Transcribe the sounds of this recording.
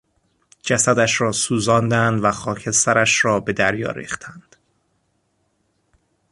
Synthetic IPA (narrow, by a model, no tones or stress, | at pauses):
d͡ʒæsæd̪æʃɾɒːsuːzɒːnd̪ænd̪væxɒːcʰe̞st̪æɾæʃɾɒːbe̞d̪æɾjɒ̰ːɾḭːχt̪ʰænd̪̥